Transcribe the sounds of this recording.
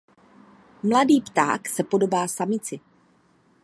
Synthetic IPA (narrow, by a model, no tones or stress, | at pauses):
mladiːpt̪a̰ːksɛpo̞do̞baːsamɪt͡sɪ